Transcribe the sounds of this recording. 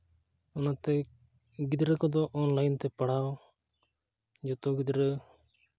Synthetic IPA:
ɔnat̪ɛ | ɡid̪ɾəkɔd̪ɔʔɔnlajnt̪ɛpaɽ̤aw | d͡ʒɔt̪ɔɡid̪ɾə

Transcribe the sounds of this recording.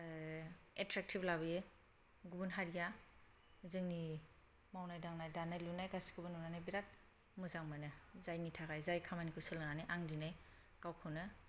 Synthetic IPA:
etɾak̚tʰiblabɯjɯ | ɡubunɦaɾija | zɯŋni | mawnajdaŋnajdanajlunajɡasi̥ɡubɯnunanajbiɾat̚ | mɯzaŋmanɯzajnitʰakajzajkʰamanikʰɯsɯlŋanajʔaŋdinaj | kawkʰɯwnɯ

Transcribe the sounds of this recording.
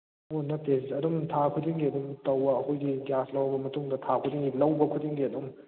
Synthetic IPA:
onɐtːeziɐdumtʰakʰudiŋɡiɐdumtɐwɐɐhujɡiɡaslɐwɐbɐmɐtuŋdɐtʰakʰudiŋɡilɐwbɐkʰudiŋɡiɐdum

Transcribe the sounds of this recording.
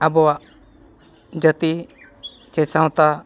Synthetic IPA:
abɔwaʔ | d͡ʒət̪i | t͡ʃɛsãw̃t̪a

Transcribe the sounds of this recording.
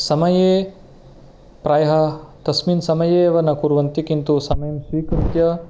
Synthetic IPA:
sɐmɐjeː | pɾaːjɐɦɐt̪ɐsminsɐmɐjeːʋɐnɐkuɾʋɐnt̪ikint̪usɐmɐjɐmʃiːkɾɨt̪jɐ

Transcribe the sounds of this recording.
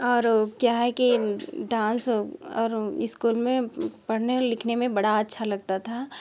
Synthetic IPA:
ɔːɾkjaɦɛkiɖãːnsɔːɾɪskuːlmẽpɐɽ̤nelɪkʰnemẽbɐɽaɐtːʃʰalɐɡ̚t̪at̪ʰa

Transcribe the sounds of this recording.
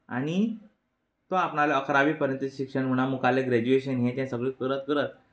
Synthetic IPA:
a̰ɽ̃i | t̪oapɳaleəkɾaʋiːpəɾjə̃nt̪uɕikʂəɳm̤uɽ̃amukaleɡɾed͡ʑueɕənɦẽt͡ɕ̪ãsəɡɭikəɾət̪kəɾət̪̚

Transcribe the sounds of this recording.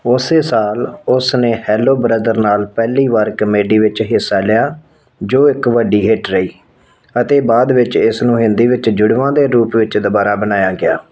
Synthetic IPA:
ʊseːsaːlʊsneːhɛːloːbɾəd̪əɾnaːlpɛːliːʋaːɾkəmeːɖiːʋɪt͡ʃɦɪsːaːlɪjaː | d͡ʒoːɪkʋəɖiːɦɪʈɾəiː | ət̪eːbaːd̪ʋɪt͡ʃɪsnũːɦɪ̃nd̪iːʋɪt͡ʃd͡ʒʊɽʋãːd̪eːɾuːpʋɪt͡ʃd̪ʊbaːɾaːbənaːjaːɡɪa̰ː

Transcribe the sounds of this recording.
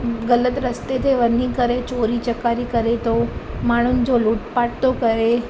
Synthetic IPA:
ɡələt̪ɾəst̪et̪ʰeʋənikəɾet͡ʃoɾit͡ʃəkaɾikəɾet̪omaɽ̃ʊnɪd͡ʑoluːʈpaʈt̪okəɾe

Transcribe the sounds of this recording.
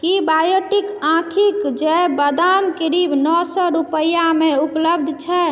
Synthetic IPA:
kibajoʈikãkʰikd͡ʒebəd̪amkiɾibnɔsɔɾupəjameupləb̚d̪ʱt͡ʃʰɛ

